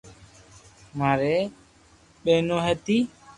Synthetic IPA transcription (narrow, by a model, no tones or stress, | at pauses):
maːɾeː | ɓeːnõːɦeːt̪iː